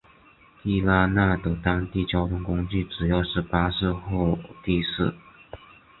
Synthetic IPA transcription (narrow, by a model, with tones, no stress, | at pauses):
t̪i˥˧la˥na˥˩d̪ə˩t̪ɑ˥ŋt̪i˥˩t͡ɕjɑ˥ʊt̪ʰʊ˥ŋkʊ˥ŋt͡ɕy˥˩ʈ͡ʂɻ̩˨˩jɑ˥˧ʊʂɻ̩˥˩pa˥ʂɹ̩˥˧xɔ˥˩ʊt̪i˥˧ʂɹ̩˥˩